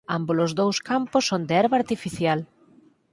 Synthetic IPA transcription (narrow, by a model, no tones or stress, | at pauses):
ambolozðowskampʊsõnd̪ɪɛɾβaɾt̪ifiθjal